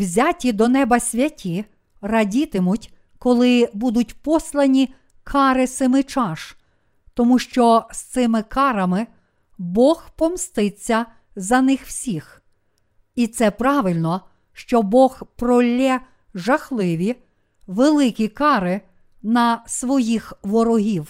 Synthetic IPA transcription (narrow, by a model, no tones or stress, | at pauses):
wzʲɑtʲid̪ɔnɛbɐsʲʋʲɐtʲʰi | rɐdʲit̪ɪmʊtʲ | kɔlˠɪbud̪ʊt̚ʲpɔslˠɐnʲi | kʰɑɾɪsɪmɪt͡ʃɑʃ | t̪ɔmuʃt͡ʃɔst̪sɪmɪkɑɾɐmɪ | bɔxpɔmst̪ɪt͡sʲːɐ | zɐnɪxw̥sʲix | it̪sɛpɾɑʋɪlʲnɔ | ʃt͡ʃɔbɔɣpɾɔlʲːɛ | ʒɐxlˠɪʋʲi | ʋelˠɪkʲikɑɾɪ | nɐsʋɔjixʋɔɾɔɦʲiw